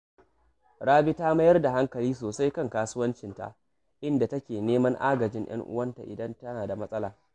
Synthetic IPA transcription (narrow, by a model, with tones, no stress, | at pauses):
ɽaː˦bi˦taː˦mɐ˦jɐ˦rda˨ɦa˦ŋkɐ˨liː˦s̬oː˨sa˦jkɐ˦˨ŋkaː˦sʊ˦wɐ˦nt͡ʃɪ˨nta̰˨ʔ | ʔɪ˦nda˨tɐ˦kʲeː˨neː˦mɐ˦ŋʔa̰ː˦ɡɐ˨d͡ʒɪ˦ŋj̰ɐ̰˦ŋʔʊ̰˦wɐ˦nta˨ʔɪ˨dɐ˦ntɐ˦naː˨da˨mɐ˦sʼɐ˦laː˨